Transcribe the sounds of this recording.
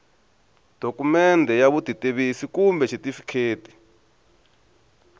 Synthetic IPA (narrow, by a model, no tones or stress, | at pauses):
d̥ʱokumɛndʱɛjaβud̥ʱiteβisikumbɛʃʰitifi̥kʰeːtʼi̥